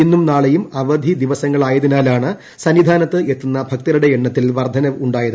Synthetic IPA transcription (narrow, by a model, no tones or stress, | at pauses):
inːumnaːɭejumɐʋɐd̪ʱid̪iʋɐsɐŋːɐɭaːjɐðinaːlaːɳɨ | sɐnʋid̪ʱaːnɐt̪ːɨʔet̪ːunːɐbʱɐk̚t̪ɐɾuɽe̞eɳːɐt̪ːilʋɐrd̪ʱɐnɐuɳɖaːjɐðɨ